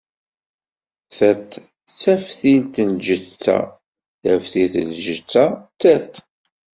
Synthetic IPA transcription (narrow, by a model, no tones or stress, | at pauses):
θæt̪ː | t͡sːæfθilt̪ənʒət͡sːæ̰ | θæfθiθəlʒət͡sːat͡sːæt̪